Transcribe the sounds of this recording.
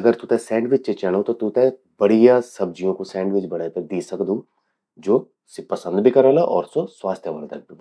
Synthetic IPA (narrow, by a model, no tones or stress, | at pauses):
ɐɡəɾt̪ut̪ɛsɛ̃ːɳɖʋɪt͡ʃt͡ʃet͡ʃɛɽ̃õt̪ot̪ut̪ẽ | bɐɽijasɐb̚d͡ʒijõkosɛ̃ːɳɖʋɪt͡ʃbɐɽaped̪iːsɐkd̪ũː | d͡ʒoː | sepɐsə̃nd̪bʱikɐɾɛlaʔɔ̰ːɾsoswaːst̪ʰjəʋɐ̰lt̪ɐ̰k̚d̪ũː